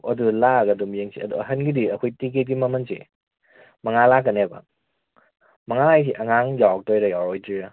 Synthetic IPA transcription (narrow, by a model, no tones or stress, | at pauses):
ɐdulaɡɐdumjeŋsʰḭɐ̰duɦɐnɡidiɐkʰojtiket̚ɡimɐmɐnsḭ | mɐŋalak̬ːɐneba̰ | mɐŋaajs̬iʔɐŋaŋjawak̚tojɾɐjawɾojdiɾa